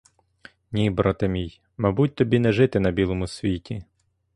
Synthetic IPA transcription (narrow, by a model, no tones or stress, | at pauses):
nʲibɾɔt̪ɪmʲij | mɐbut̚ʲt̪ɔbʲinɛʒɪt̪ɪnɐbʲilˠɔmʊsʲʋʲitʲʰi